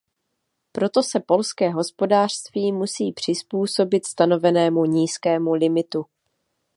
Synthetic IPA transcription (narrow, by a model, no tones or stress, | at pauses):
pɾo̞t̪o̞sɛpo̞lskɛːɦo̞spo̞daːr̥st̪viːmusiːpr̝̥ɪspuːso̞bɪt̪st̪ano̞vɛnɛːmuɲiːskɛːmulɪmɪt̪u